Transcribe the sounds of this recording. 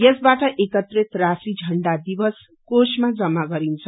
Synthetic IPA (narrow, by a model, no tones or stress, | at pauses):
jesbaʈʌʔekʌt̪ret̪rasid͡zʱʌɳɖad̪ibʌs | kosmad͡zʌmːaɡʌɾint͡sʰʌ